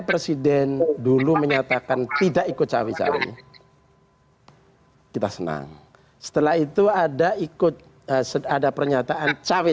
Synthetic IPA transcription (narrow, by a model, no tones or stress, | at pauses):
pɾesidɛnduluməɲat̪akant̪idaʔikʊt̪̚t͡ʃawit͡ʃa̰wḭ | kit̪asəna̰ŋ | sə̥t̪əlaɦit̪uadaikʊt̪̚ | əsəadapərɲat̪aʔant͡ʃawi